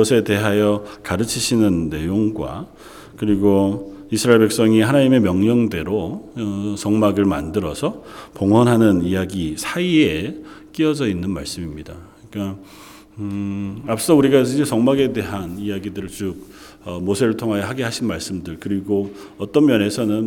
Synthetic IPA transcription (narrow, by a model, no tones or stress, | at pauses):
ʌsʰe̞te̞ɦajʌkaɾɯt͡ɕʰiɕʰinɯnːe̞joŋɡwa̰ | kɯɾiɡoisʰɾaeɭpe̞k̚s͈ʌŋiɦanaɲime̞mjʌŋɲʌŋde̞ɾoʌsʌŋmaɡɯɭmandɯɾʌsʰʌpoŋɦwʌnɦanɯnijaɡisʰaiek͈iʌd͡ʑʌinːɯnma̰ɭs͈ɯmimɲida | ik͈a | ap̚s͈ʌsʰʌuɾiɡaid͡ʑesʌŋmaɡe̞de̞ɦanijaɡidɯɾɯɭt͡ɕuk̚ | ʌmosʰe̞ɾɯɭtʰoŋɦajʌɦaɡeɦaɕʰinmaɭs͈ɯmdɯɭkɯɾiɡoʌt͈ʌnmjʌnɦe̞sʰʌnɯn